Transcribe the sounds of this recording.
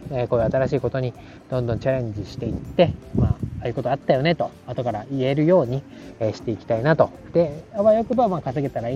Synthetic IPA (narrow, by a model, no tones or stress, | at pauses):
eko̞ːjɯ̟at̪aɾaɕiːko̞t̪o̞ɲ̟i | d̪̥õ̞nd̪õ̞ɲt͡ɕaɾẽ̞ɲ̟d͡ʑiɕi̥t̪e̞it̪ːe̞maːaːjɯ̟ko̞t̪oat̪ːajo̞ne̞t̪o̞ | at̪o̞kaɾaie̞ɾɯ̟jo̞ːɲ̟i | eɕi̥t̪e̞ikʲi̥t̪ainat̪o̞ | d̪eaβajokɯ̟bamaːkaseɡe̞t̪aɾai